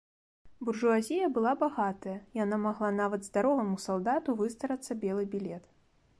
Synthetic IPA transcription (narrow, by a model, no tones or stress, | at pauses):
burʐuazʲijɐbɨlˠabaɣat̪ɐjɐjanamaɣlˠanavɐd̪zd̪aɾɔvɐmusalˠd̪at̪uvɨst̪ɐɾɐt̪sːɐbʲɛlˠɨbʲilʲɛt̪